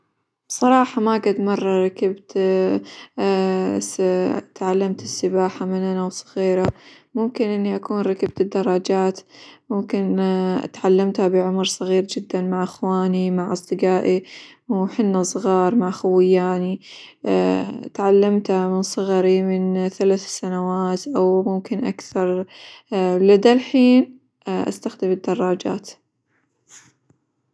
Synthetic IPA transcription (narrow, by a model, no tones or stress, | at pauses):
b̥sˤɑɾˤɑːħɑmaɡad̪mɑrˤːɑɾˤɑkabt̪ | t̪ʕalːamt̪ɪsːɪbaːħamɪnʔanawsˤɨ̥ɣiːɾa | mʊmkɪnʔɪnːiʔakuːnɾˤɑkab̚t̪ɪd̪ːɑrˤːɑd͡ʒaːt̪mʊmkɪn̰t̪ʕalːamt̪habɪʕʊmɾsˤɑɣiːɾd͡ʒɪd̪ːanmaʕʔaxwaːnimaʕʔɑsˤd̪ɨɡaːʔi | wħɪnːasˤɣɑːɾˤmaʕxawɪjːaːni | t̪ʕalːamt̪hamɪnsˤɨɣɾimɪnθalaːθsanawaːt̪ʔawmʊmkɪnʔa̰kθɑɾˤ | lad̪alħiːn | ʔa̰st̪axd̪ɪmɪd̪ːɑrˤːɑːd͡ʒa̰ːt̪